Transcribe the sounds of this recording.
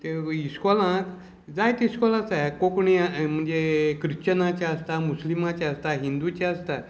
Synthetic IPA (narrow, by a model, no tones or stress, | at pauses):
t̪eiskɔlãt̪ | d͡zajt̪iskɔlãt͡sajkokɳiam̤əɳd͡zekɾit͡ɕənat͡ɕaəst̪amuslimat͡ɕaəst̪aɦind̪ut͡ɕaəst̪a